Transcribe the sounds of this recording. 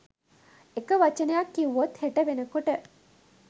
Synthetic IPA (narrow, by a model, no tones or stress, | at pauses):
ekəʋat͡ʃənejakːiuʋot̪heʈəʋenəkoʈə